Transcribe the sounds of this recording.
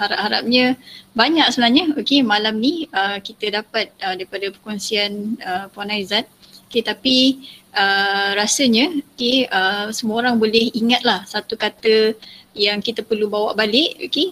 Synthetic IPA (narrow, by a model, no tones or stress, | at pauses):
haɾap̚ɦaɾa̰p̚ɲəbaɲak̚səbənaɦɲəokemalamniəkit̪ədapat̪̚ədaɾipadapəkɔnsianəpanajzat̪̚ | oket̪apiʔəɾasəɲəokeəsəmuoɾaŋbolɛhiŋat̪̚lahsat̪ukat̪əjaŋkit̪apərlubawaʔbalɪʔo̰ke